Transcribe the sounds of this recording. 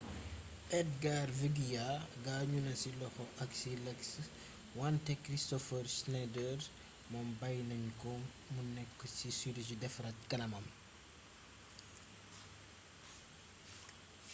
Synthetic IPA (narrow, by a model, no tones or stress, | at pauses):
ʔɛd̚ɡarviɡijaɡaːɲunɐsilɔxɔʔɐksilɛks | wantɛkɾistɔfəɾsnɛdɛɾ | mɔmbajnɐɲkɔŋ | munɛkːɔsisuɾis̬idɛfɾɐtkɐlɐmɐm